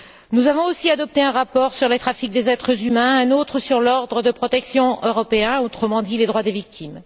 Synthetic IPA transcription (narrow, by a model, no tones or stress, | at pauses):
nuzavɔ̃osiad̪ɔp̚t̪eɛ̃ʁapɔʁsyʁlet̪χafik̚d̪ezɛt̪χəzymɛ̃ɛ̃not̪χəsyʁlɔʁd̪ʁəd̪əpχɔt̪ɛksjɔ̃øʁɔpeɛ̃ot̪χəmɑ̃d̪iled̪ʁwad̪evik̚t̪ʰim